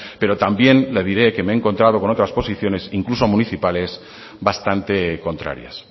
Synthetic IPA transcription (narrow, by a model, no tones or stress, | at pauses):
pe̞ɾot̪ambje̞nleðiɾe̞ke̞meeːŋko̞nt̪ɾað̞oko̞no̞t̪ɾaspo̞siθjo̞ne̞siŋklusomũniθipale̞s | βast̪ant̪e̞ko̞nt̪ɾa̰ɾja̰s